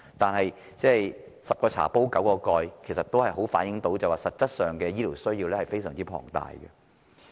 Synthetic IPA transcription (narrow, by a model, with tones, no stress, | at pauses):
t̪aː˨nɦɐ˨j | t͡sɛː˥˩j | sɐ˨p̚kɔː˧t͡sʰa̰ː˨˩po˥wkɐ˨˥wkɔː˧kɔː˧jkʰe˨˩sɐ˨t̪ːo˥whɐ˨jɦo˨˥wfaː˨˥njɪ˨˥ŋt̪o˨˥wt͡sɐ˨waː˨sɐ˨t̚t͡sɐ˥t̚sœː˨˩ŋkɛː˧jiː˥liː˨˩wsɵ˥ɥjiː˧wlɛː˥hɐ˨jfe˥jsœː˨˩ŋt͡siː˥pʰɔ̰ː˨˩ŋt̪a̰ː˨jkɛ̰˧